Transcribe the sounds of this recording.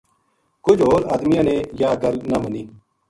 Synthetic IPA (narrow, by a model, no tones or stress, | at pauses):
kʊd͡ʒɦoːɾa̰ːd̪mɪjãːneːjaːkəlnaməniː